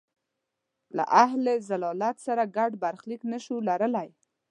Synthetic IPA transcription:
la̰ʔaɦlezalɑlat̪saɾaɡaɖbaɾxliknaʃulaɾəlaj

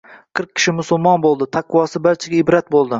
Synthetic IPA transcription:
qʰɨɾq̚kʲʰːɪ̥ʃɪmʊsʊlˠmɒnbolˠd̪ɪt̪ʰaqwɒsɪbaɾt͡ʃʰaɡʲaɪbɾat̪̚bolˠd̪ɪ

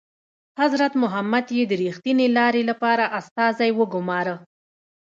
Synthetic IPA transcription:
hazɾat̪mʊɦamːad̪jed̪əɾixt̪inelɑɾelapɑɾaʔast̪ɑzajwəɡʊmɑɾə

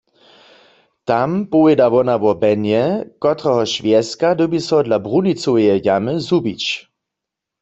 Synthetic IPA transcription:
t̪ampoɛdaʋɔnaʋɔbɛnjɛkɔt̪ʁɛɦɔʃvjɛskad̪ɔbisɔdlabʁunit͡sowjɛjaməzubit͡ɕ

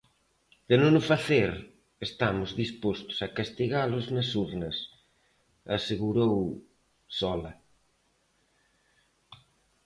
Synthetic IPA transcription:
d̪̥enõnʊfaθeɾ | est̪amʊzðispost̪ʊ̥sakast̪iɣalʊznɐsuɾnɐs | aseɣuɾow | sɔlɐ̰

